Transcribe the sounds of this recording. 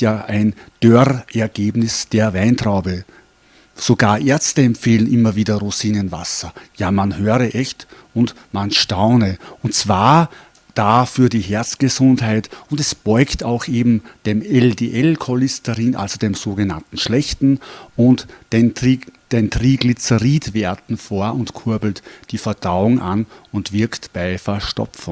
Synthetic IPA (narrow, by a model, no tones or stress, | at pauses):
jaːʔæɪnd̥øʁʔɛɐɡ̥eːbnɪsd̥eːɐvaɪntʁ̥aʊbə | soɡaːɐʔeɐstəɛmpfeːlənʔɪmɐviːdɐʁuziːnənva̰sɐjaːmanhøːʁəʔɛçt | ʊnt | manʃtaʊnəʊntt͡sv̥aːɐ | d̥aːfyːɐdiːɦɛɐt͡sɡ̥əzʊndɦaɪtʊndɛsb̥ɔʏktaʊxʔeːbm̩d̥eːmɛldeːʔɛlkʰolɪstəʁiːnʔa̰lzod̥eːmzoːɡəna̰ntn̩ʃlɛçtn̩ʊntenid̥eːntʁiːɡlit͡səʁiːtvɛɐtn̩foːɐʔʊntkʰʊɐbl̩td̥iːfɛɐd̥aʊʊŋʔa̰nʊntv̥ɪɐktb̥aɪfɛɐʃtɔ̰pp͡fn